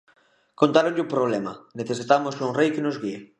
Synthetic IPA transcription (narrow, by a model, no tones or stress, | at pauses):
kont̪aɾõɲʎɪupɾoβ̞lɛmɐneθes̬it̪amosuŋrejkenozɣie